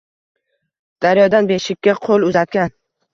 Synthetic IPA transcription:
d̪̥aɾjɒd̪anbe̞ʃɪkʲːaqʰolˠʊzat̪̚kʲan

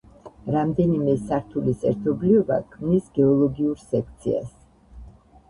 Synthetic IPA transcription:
ɾamd̪ɛnimɛsaɾt̪ʰulisɛ̰ɾt̪ʰɔbliɔba̰kʰmnisɡɛɔlˠɔɡiuɾsɛkʰt̪sʰḭa̰s

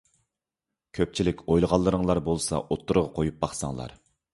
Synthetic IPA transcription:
kʲʰøp̚t͡ʃʰilɪkʲojlˠəʁɑlˠːəɾəŋlˠɑɾbolˠsɑ̰ʔot̪ːuɾʁɑqʰojup̚bɑχsɑ̰ŋlˠɑ̰ɾ

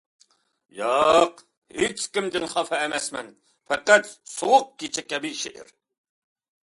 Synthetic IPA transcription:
jɑq | het͡ʃkʲimd̪ɪnχɑfɛːmɛsmɛ̰n | fɛqæt̪soʁʊq̚kʲet͡ʃʰɛkʲɛbiʃeʔɪ̰ɾ

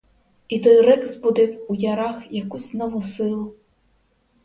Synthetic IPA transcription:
it̪ɔjɾɛɡzbud̪ɪwujaɾaxjakusʲnɔʋɔsɪlˠʊ

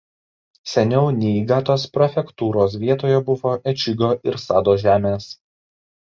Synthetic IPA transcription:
sʲɛnʲɛʊnʲɛɪɡɑt̪oːspɾɔfʲɛkt̪uːɾoːs̬ʋʲiɛt̪oːjɛbʊʋoːʔɛt͡ʃʲɪɡʲoːʔɪɾsɑːd̪oːʒʲæːmʲeːs

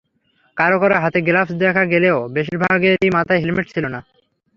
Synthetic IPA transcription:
kaɾokɔɾaɦat̪eɡlafsd̪ɛkʰaɡeleobeʃiɾbʱaɡeijmat̪ʰaeɦilmeʈ̚t͡ɕʰilona

